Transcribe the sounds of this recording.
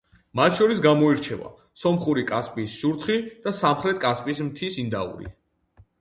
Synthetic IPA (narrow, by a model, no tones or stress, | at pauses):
mat̪ʰʃɔɾisɡamɔiɾt͡ʃʰɛva̰ | sɔmχuɾikʼaspʼiːsʃuɾt̪χid̪̥asamχɾɛt̪̚kʼaspʼismt̪ʰisind̪a̰ṵɾḭ